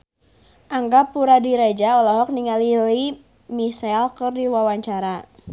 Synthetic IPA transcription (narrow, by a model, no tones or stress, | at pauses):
ʔaŋɡapːuɾadiɾad͡ʒaɔlaɦɔk̚niŋalili | misalkɨrdiwawaɲt͡ʃaɾa